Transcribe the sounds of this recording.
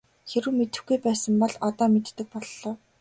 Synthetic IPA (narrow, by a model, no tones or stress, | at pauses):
xeɾɘ̆wmet̪ɘ̆xɡujpæːsə̆mpɔɮɔt̪ɔːmet̪ːɘ̆k̚pɔɮːɔː